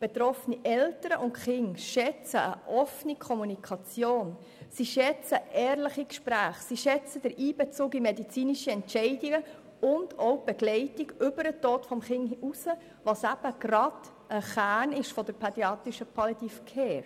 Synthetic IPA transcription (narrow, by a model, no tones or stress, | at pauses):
b̥et̪ɾɔfniʔɛltəɾəʔʊntχɪŋʃɛt͡səə̰ʔɔfnikʰɔmunikʰɑt͡sjoːn | siʃɛt͡səʔɛːɾləχikʃpɾæːχsiʃɛt͡səd̥əɾʔiːbɛt͡suːkimɛdit͡siːniʃiɛntt͡ʃɛɪdiɡə | ʊndɔʊb̥ɛɡ̥lɛɪtiɡʏbəɾətoːtfɔmχɪŋusə | ʋosæb̥əɡ̥ɾɑd̥ | ʔəχæːnɪʃfɔd̥əɾpʰɑdjɑːt̪iʃəpʰɑlitifkʰɛːɾ